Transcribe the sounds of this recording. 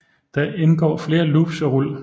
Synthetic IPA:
d̥ɑʔenɡ̥ɒ̰ːfle̝ːɐlub̥sɒ̽ʁul̰

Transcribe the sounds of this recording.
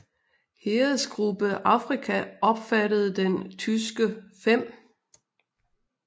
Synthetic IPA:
heːð̩ˠsɡ̥ʁub̥əʔɑ̈fʁikʰæʔɒ̽b̥fæɾəð̞̩ˠd̥ent͡sʰysɡ̥əfem̰

